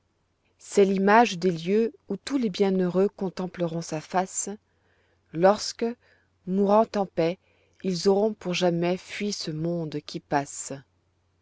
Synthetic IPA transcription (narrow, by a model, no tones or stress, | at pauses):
sɛlimaʒd̪eljøut̪ulebjɛ̃nøʁøkɔ̃t̪ɑ̃pləʁɔ̃safas | lɔʁskə | muʁɑ̃t̪ɑ̃pɛ | ilzɔʁɔ̃puʁʒamɛfɥisəmɔ̃d̪kʲipas